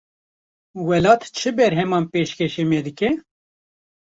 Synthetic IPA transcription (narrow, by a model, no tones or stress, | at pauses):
wɛlɑːt̪t͡ʃʰɨbɛɾɦɛmɑːnpeːʃkɛʃeːmɛd̪ɨkɛ